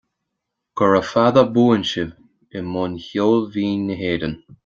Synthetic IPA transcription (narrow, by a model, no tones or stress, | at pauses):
ɡ̥ɔɹəfaðəbuːənʃɪv | ɪmʊnçoːlviːnːəɦeːdən